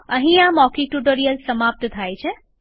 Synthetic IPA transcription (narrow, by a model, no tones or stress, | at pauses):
əɦĩamɔkiʈuʈoɾijəlsəmap̚t̪t̪ʰajt͡ʃʰe